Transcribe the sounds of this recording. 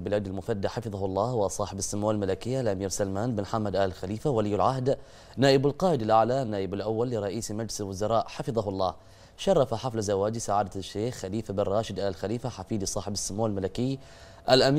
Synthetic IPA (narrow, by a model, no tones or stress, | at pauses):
lbɪlaːd̪almʊfad̪ːaħɑfɨðˤɑhlˤːɑːwɪsˤɑːħɪbɪsːamuːalmalakɪjːalʔamiːɾsalmaːnbɪnħamːad̪ʔaːlɪlxaliːfawalɪjːalʕaɦd̪ | naːʔɪbɪlqɑːʔɪd̪alʔaʕlanːaːʔɪbalʔawːalːɪɾˤɑʔiːsmad͡ʒlɪsɪlwʊzɑɾˤɑːʔħɑfɨðˤɑɦlˤːɑ̰ː | ʃɑrˤːɑfaħaflazawaːd͡ʒisaʕaːd̪aʃːeːxːaliːfabɪnrˤɑːʃɪd̪ʔaːlɪlxaliːfaħafiːd̪isˤɑːħɪbɪsːamːuːalmalakɪjː | ʔalʔamː